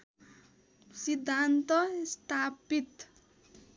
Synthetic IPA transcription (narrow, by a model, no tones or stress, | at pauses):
sid̪ʱːant̪ʌst̪ʰapit̪